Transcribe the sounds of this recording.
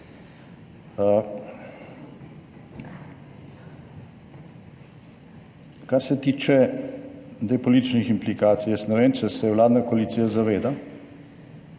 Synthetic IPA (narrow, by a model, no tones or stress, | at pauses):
kaɾsɛt̪iːt͡ʃɛ | d̪ɛjpɔlit̪it͡ʃniximplikaːt̪sijɛst̪nɛʋeːnt͡ʃɛsɛwlaːd̪nakoalit̪siːjazaʋeːd̪a